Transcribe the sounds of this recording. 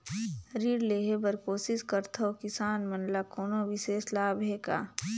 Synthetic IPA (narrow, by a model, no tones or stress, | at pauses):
ɾiːɽleːɦebɐɾkoːsɪskəɾt̪ʰokɪsaːnmɐnlakoːnoʋɪseːslaːbɦeːka̰ː